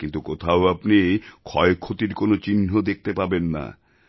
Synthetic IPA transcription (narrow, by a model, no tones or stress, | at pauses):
kint̪ukot̪ʰaoapnikʰɔekʰːot̪iɾkonot͡ɕinɦod̪ek̚t̪epabenːa̰